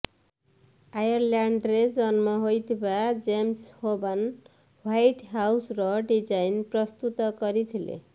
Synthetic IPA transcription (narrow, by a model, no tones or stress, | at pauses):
ajʌrlaɳɖred͡zʌnmʌɦojt̪ʰibad͡zemshoban | wajʈɦawsrʌɖid͡zajnprʌst̪ut̪ʌkʌɾit̪ʰilḛ